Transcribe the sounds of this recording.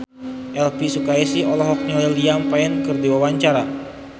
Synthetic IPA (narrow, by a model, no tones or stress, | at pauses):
ʔɛlpisukaesiɔlɔɦɔk̚ɲɔiliampaɛnkɨrdiwawaɲt͡ʃaɾa